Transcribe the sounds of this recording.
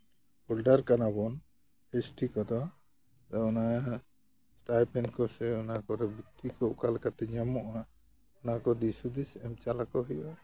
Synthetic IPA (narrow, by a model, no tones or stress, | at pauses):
ɔlɖaɾkanabɔn | esʈikɔd̪ɔ | d̪aɔna | sʈajpɛnkɔsɛɔnakɔɾɛbiikɔʔkalkat̪ɛɲamɔʔa | ɔnakɔd̪isud̪isɛmt͡ʃalakɔɦɔja